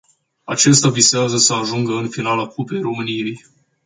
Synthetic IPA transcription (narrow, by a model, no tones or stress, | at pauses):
at͡ʃe̞st̪ʲaviseazəsəaʒuŋɡəɨnfinalakupe̞jro̞mɨnije̞j